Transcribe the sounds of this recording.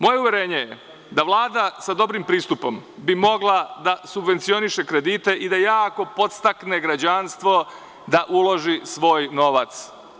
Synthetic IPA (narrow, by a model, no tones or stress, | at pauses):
mo̞je̞uvjeɾeːɲe̞je | d̪aʋlˠaːd̪asad̪o̞bɾimpɾiːst̪upo̞mbimo̞ɡlˠad̪asubʋe̞nt̪sio̞niʃekɾed̪it̪e̞ʔid̪ajaːko̞po̞t̪st̪akneɡɾad͡ʑanst̪ʋo̞ | d̪aʔulˠo̞ʒisʋo̞ːjno̞ʋat̪s